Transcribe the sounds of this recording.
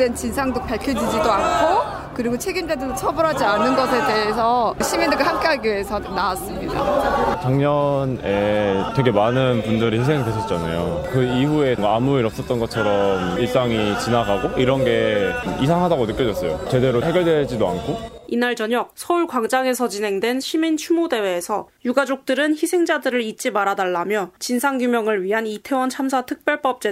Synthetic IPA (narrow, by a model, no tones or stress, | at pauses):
dent͡ɕinsʰaŋdok̚paɭkʰjʌd͡ʑid͡ʑidoankʰo | kɯɾiɡot͡ɕʰe̞ɡindedɯdot͡ɕʰʌbuɾɦad͡ʑianːɯnɡʌsʰe̞de̞esʰʌɕʰimindeɡɯɭhamk͈eɦaɡiesʰʌnaas͈ɯmɲida̰taŋɲʌnetwe̞ɡe̞manɯnpundɯɾihinsʰeŋtweɕʰʌt̚t͡ɕ͈ana̰jokɯiɦue̞ŋɡamuiɾʌps͈ʌt̚t͈ʌnɡʌt͡ɕʰʌɾʌmiɭs͈aŋit͡ɕinaɡaɡoʔiɾʌnɡe̞isʰaŋɦadaɡonɯk͈jʌd͡ʑʌs͈ʌjo̰t͡ɕe̞de̞ɾoɦeɡjʌɭdwe̞ɭd͡ʑidoa̰nkʰo | inaɭt͡ɕʌɲʌk̚sʰʌuɭkwaŋd͡ʑaŋe̞sʰʌt͡ɕinɦe̞ŋdwe̞nɕʰimint͡ɕʰumode̞we̞ːsʰʌjuɡad͡ʑok̚t͈ɯɾɯnçisʰe̞ŋd͡ʑadɯɾɯɾit͡ɕ͈imaɾadaɭːamjʌt͡ɕinsʰaŋɡjumjʌŋɯɭɥiɦanitʰe̞wʌnt͡ɕʰamsʰatʰɯk̚p͈jʌɭp͈ʌp̚t͡ɕ͈e